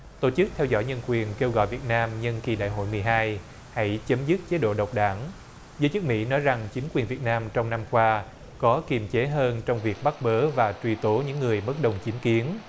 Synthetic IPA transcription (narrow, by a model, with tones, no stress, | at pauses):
t̪o˧˩t͡ɕɨ˦˥k̚t̪ʰɛ˧wzɔ̰˧˥˨jɲə˧nkwi˨˩ənke˧wɣɔ̰˧˨jvi˨˩t̚naː˧mɲə˧nki˨˩ɗa̰ː˧˨jɦo̰˧˨jmɨ˨˩əjɦaː˧j | ha̰˧˥jt͡ɕə˨˦mzɨ˦˥t̚t͡ɕe˨˦ɗo̰˧˨ɗə˨˩wk͡p̚ɗaː˧˩ŋ | zəː˨˦jt͡ɕɨ˦˥k̚mḭ˧˥nɔ˨˦jza˨˩ŋt͡ɕï˨˦ŋ̟kwi˨˩nvi˨˩ət̚naː˧mt͡ɕɔ˧wŋ͡mna˧mkwaː˧ | kɔ˨˦ki˨˩əmt͡ɕe˨˦ɦəː˧nt͡ɕɔ˧wŋ͡mvi˨˩ək̚ɓa˦˥t̚ɓəː˨˦vaː˨˩t͡ɕwi˧˩t̪o˨˦ɲɨ̰˧˥ŋːɨ˨˩əjɓə˦˥t̚ɗə˨˩wŋ͡mt͡ɕi˨˦nki˨˦ən